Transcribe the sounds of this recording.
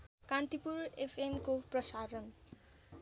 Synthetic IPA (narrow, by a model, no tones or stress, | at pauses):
kant̪ipuɾepʰemkoprʌsaɾʌn